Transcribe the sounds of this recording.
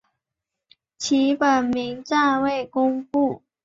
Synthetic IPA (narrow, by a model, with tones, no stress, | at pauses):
t͡ɕʰi˨˥˦pə˨˩nmi˨˥ŋt͡sa˥˧we˥˩ɪkʊ˥ŋpu˥˩